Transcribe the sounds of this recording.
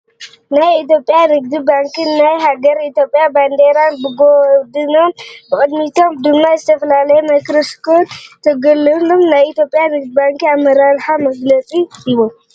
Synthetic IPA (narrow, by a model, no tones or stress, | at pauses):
najit̪̬jo̞pʼjanɨɡ̚d̪ibaŋkʰɨnːajɦaɡɐɾit̪jopʼːjaband̪eɾanbɨɡod̪ɨnombɨxʼɨd̪mit̪ʰo̞md̪ɨmːazɨt̪ʰɐfɐlalɐjemɐkɾɨst̪ʰot̪ʰɐɡɐlːɨnomnajit̪jo̞pʼjanɨɡ̚d̪ibaŋkiamːɐɾaɾħamɐɡlɐt͡sʼiiβom